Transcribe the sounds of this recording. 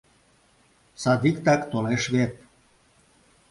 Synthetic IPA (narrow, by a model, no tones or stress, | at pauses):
sɑd̪ikt̪ɑkt̪oleʃβet̪̚